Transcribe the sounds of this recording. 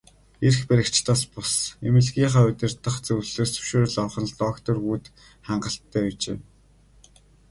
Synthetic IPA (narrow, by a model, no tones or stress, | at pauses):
erxpæɾʲɪ̆kt͡ɕt̪aːspʊsemɘ̆ɮɣʲiːɴχaːʊt̪ʲɪ̆rt̪ə̆χt͡sɵwɮsoːst͡sʰɵ̥ʃoːɾ̆ɮɔwχə̆nɮt̪ɔkt̪ɔrɣuːt̪ | χaɴɢə̆ɬt̪ʰːæːut͡ɕḛː